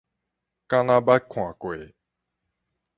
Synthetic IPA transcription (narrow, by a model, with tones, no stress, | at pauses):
ka˦na˦ba˦kʰːõ˨a˨ko˨e˨